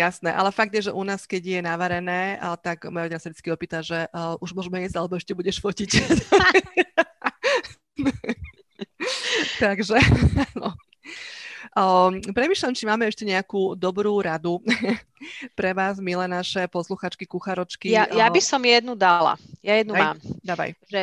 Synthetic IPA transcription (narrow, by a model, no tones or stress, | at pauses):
jasnɛʔa̰lɛfaɡ̚d̪jɛʒɛʔunaːskɛɟjɛnaʋaɾɛnɛːt̪aɡmaɾɔɛnasad̪it͡skiɔpiːt̪aʒɛʔʔuʒmʊɔʒmɛɛzalɛbɔɛʃcɛbuɟɛʃfɔcic | t̪aɡʒɛnɔ | pɾɛmiːʃlʎamt͡ʃimaːmɛɛʃcɛɲɛakuːd̪ɔbɾuːɾad̪u | pɾɛʋaːzmilɛnaʃɛpɔsluxaːt͡ʃkikuxaɾɔt͡ʃkijajjabisɔmjɛd̪nud̪ala̰jajɛd̪nuamaːmd̪aːʋa̰jʒɛ